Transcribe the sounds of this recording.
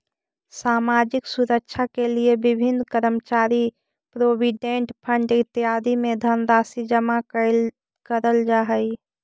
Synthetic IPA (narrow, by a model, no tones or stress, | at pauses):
samad͡ʒiksuɾəkt͡ʃʰakeliebibʱinkəɾəmt͡ʃaɾi | pɾobiɖeɳʈpʰəɳɖit̪ːiɦad̪ʱimed̪ʱənɾasid͡ʒəma | kəɾəld͡ʒaɦəj